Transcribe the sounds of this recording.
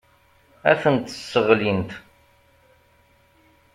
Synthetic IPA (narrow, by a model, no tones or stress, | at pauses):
æθənt̪əsːəʁlint̪